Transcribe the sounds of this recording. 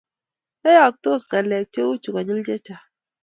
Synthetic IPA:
e˦ja˨k̚to˦˨ska˨lɛ˨k̚t͡ʃe˦u˦t͡ʃu˨ka˨ɲi˦ld͡ʒe˦t͡ʃa˨

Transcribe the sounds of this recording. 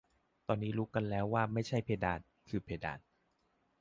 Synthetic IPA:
t̪ɔː˧nːiː˦˥ɾuː˦˥ka˧nlɛː˦˥wːaː˥˩ma˥˩jt͡ɕʰa˥˩jpʰeː˧daː˧˩n | kʰɯː˧pʰeː˧da̰ː˧˩n

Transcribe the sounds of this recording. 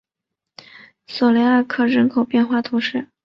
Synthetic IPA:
sɔ˨˩le˧˥a˥˧kʰɤ˥˩ɻə˧˥nkʰo˨˩ʊpjɛ˥˧nxwa˥˩t̪ʰu˧˥ʂɻ̩˥˩

